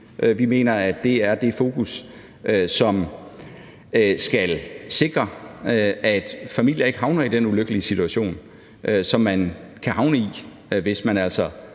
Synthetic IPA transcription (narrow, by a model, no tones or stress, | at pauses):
ʔøʋime̝̰ːnɐæd̥ːe̝æɐd̥e̝fo̝ːkus | ʔsɒ̽m | sɡ̥ælse̝ɡ̥ʁɐ | æd̥fæmil̰jɐe̝ɡ̥əɦɑ̈ʊnɐid̥enuløɡ̥əliəsit͡sʰuæɕo̝̰ːn | ʔøsɒ̽mːænkʰæhɑ̈ʊnəi | ʋe̝smænæl̰sɒ